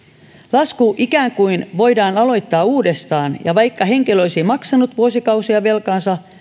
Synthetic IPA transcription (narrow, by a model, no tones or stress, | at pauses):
lɑskuʔikæːŋkuinʋo̞jdɑːnɑlo̞jt̪ːɑːuːdest̪ɑːnjɑʋɑjkːɑɦe̞ŋkeloisimɑksɑnut̪ʋuosikɑusiɑʋe̞lkɑːnsɑ